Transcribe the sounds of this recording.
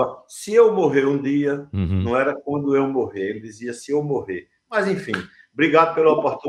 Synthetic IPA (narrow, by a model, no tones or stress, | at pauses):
sɪewmoɦeɾũd̪iɐnɐ̃w̃ɛɾɐkwɐ̃nd̪ʊewmoɦeelɪd̪iziɐsɪewmoɦe | mɐzẽfĩ | bɾiɡad̪ʊpelʊɔpoht̪u